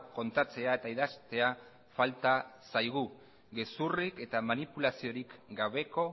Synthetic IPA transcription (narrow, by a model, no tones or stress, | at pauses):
ko̞nt̪at͡se̞ae̞t̪aiðast̪e̞a | falt̪asajɣ̞u | ɡesurike̞t̪amanipulasio̞ɾikɡaβe̞ko̞